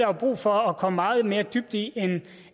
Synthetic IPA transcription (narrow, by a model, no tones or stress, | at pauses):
hb̥ʁṵːfɒ̽ɒkʰɒ̽mmɑ̈ːð̞̩ˠme̝ːɐd̥yb̥d̥ien